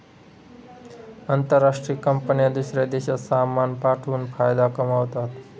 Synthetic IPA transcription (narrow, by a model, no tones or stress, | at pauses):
ənt̪əɾːasʈɾijəkəmpənijəd̪usɾed̪esʌsamːanpaʈʰunpʰajd̪akəmawt̪at̪